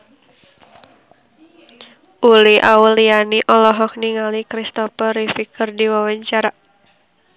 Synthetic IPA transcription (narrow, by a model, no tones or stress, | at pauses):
ʔuliʔa̰ulianiʔɔlɔɦɔk̚niŋalikɾist̪ɔfəɾifikərdiwawaɲt͡ʃaɾaʔ